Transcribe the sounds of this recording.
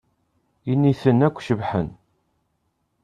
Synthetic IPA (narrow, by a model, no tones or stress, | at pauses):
inːiθənækʷːʃəvħən